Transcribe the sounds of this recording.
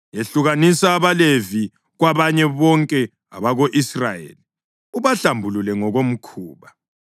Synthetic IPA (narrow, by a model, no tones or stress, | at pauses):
eɬuɣanisaːβalevi | ɣwaβaɲɛβɔŋkʼɛ | a̰βaɣoʔisrajḛːli | uβaɬambʱululɛŋɔɣom̩kʰuːβa